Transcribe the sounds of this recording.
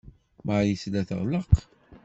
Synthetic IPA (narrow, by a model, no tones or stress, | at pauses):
maʕjəslæθə̰ʁləq